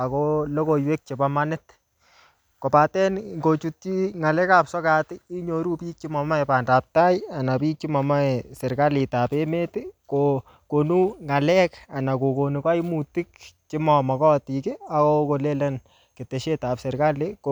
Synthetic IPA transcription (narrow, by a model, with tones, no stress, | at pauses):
a˨kolo˦ko˨jwe˦k̚t͡ʃebamanɪt | ko˨patɛ˦nŋɡo˨t͡ʃutt͡ʃiŋa˨lɛ˦ka˦psɔ˦ka˦tɪi˦ɲo˨ɾu˦piː˦t͡ʃi˦mɔ˨ma˦ɛpa˨nda˨p̚taja˨na˨pi˦t͡ʃi˦mɔ˨ma˦ɛsɛ˨ɾka˦li˨tape˦me˦tɪko | ko˨nu˦ŋa˨lɛka˨na˨ko˨ko˨nu˨ka˦jmuti˦k̚t͡ʃɪ˦mɔ˨mɔ˨kɔ˦tikɪa˨ko˦ko˨le˦lɛ˦n | ke˨te˨ʃe˦tapsɛ˨ɾka˦lek